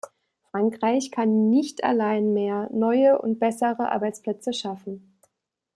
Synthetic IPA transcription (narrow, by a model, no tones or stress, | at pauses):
fʁ̥aŋkʁ̥aɪçkʰanːɪçtʰa̰laɪnmeːɐnɔʏəʔʊ̰nt̚b̥ɛsəʁəʔa̰ːɐbaɪt͡spl̥ɛt͡səʃafn̩